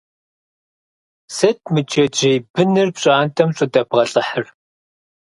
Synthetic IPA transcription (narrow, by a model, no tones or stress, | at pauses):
sɐt̚ʰmɨd͡ʒɐd͡ʒejbʰɨnɨrpɕʼaːntʰɐmɕʷʼɐdɐbʁɐɬʼɨħər